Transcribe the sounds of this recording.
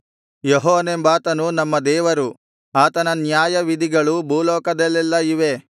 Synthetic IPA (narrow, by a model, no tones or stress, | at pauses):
jeɦɔːnembaːt̪ɐnunɐmːɐd̪ɛːʋɐɾu | aːt̪ɐnɐnjaːjɐʋid̪iɡɐɭubʱuːlɔːkɐd̪ɐlːɛlːɐiʋe̞